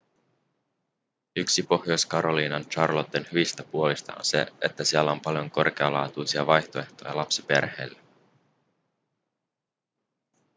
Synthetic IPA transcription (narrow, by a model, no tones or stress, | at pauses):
yksipo̞hjo̞skɑɾo̞liːnɑnt͡ʃɑrlo̞t̪enhyʋist̪æpuo̞list̪ɑ̰o̰nse̞̰et̪ːæsiælːæo̞mpɑljo̞ŋko̞rk̟e̞ɑlɑ̰ːt̪ujsiɑʋɑjt̪o̞e̞ht̪o̞̰jɑ̰lɑpsipe̞̰rhe̞̰ːlːæ